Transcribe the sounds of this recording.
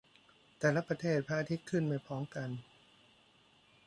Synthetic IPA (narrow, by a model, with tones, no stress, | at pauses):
t̪ɛː˨˩la˦˥pɾa˧t̪ʰeː˥˩t̪̚pʰaː˧ʔa˧t̪ʰi˦˥t̪̚kʰːɯ˥˩nma˧˩jpʰɔː˦˥ŋmka˧n